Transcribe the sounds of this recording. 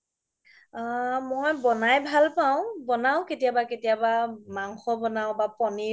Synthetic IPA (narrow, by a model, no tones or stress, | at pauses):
mojbɔnajbʱalpaʊ̃bɔnaʊ̃ketijabaketijabamaŋxɔbɔnaʊ̃bapɔni